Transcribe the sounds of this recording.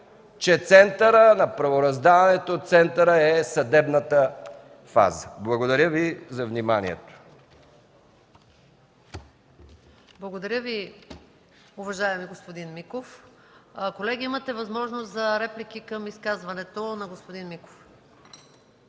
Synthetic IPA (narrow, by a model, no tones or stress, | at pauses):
t͡ʃɛt̪sɛnt̪əɾənɐpɾɐvoɾɐzd̪avɐnɛt̪oːt̪t̪sɛnt̪əɾəɛsɐd̪ɛbnət̪ə | fa̰zəblˠɐɡod̪ɐɾʲəvizɐvnimanḭɛ̰t̪o̥ | blˠɐɡod̪ɐɾʲjəvi | ʊvɐʒaɛmiɡospod̪inmikof | kolɛɡʲiimɐt̪ɛvɐzmɔʒnost̪zɐɾɛplik̟ikɐmiskazvɐnɛt̪onɐɡospod̪inmiko̥f